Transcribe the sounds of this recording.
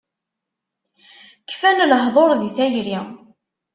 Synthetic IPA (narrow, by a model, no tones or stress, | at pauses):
kːfænlɦðˤoɾˤðiθæjɾi